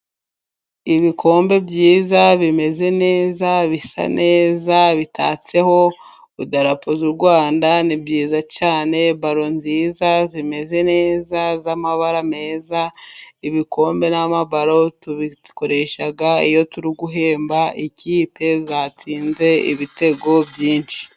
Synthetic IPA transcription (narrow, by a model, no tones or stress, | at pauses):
iβikʰo̞ːmbe̞bjiːzaβime̞ze̞ne̞ːzaβisa̰nʔe̞ːzaβitʰa̰ːt͡se̞ho̞ | udaɾapozuɾɡwaːndanibjiːzat͡ʃaːne̞βaɾo̞nziːzazime̞ze̞neːzazamaβaɾame̞ːzaiβiko̞ːmbe̞namaβaɾo̞tuβi | ko̞ɾe̞ʃaɡaijo̞tuɾiɡuɦe̞ːmbaiciːpʰe̞zat͡siːnze̞ḭβite̞ɡo̞bjiːnʃi̥